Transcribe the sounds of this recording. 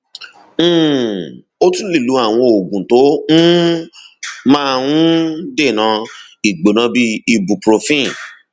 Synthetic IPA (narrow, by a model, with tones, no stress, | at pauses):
m̩̃ː˦˨ | o˦tũ˦li˦˨lu˨˦a˦˨w̃ɔ̃˧o˨ɡũ˨to˨˦nũ˦ | mã˦wũ˦de˦˨nã˨˧˦ | i˨ɡ͡bo˨nã˨˧˦bi˦i˧bu˨pɾo˨˧fĩ˦˨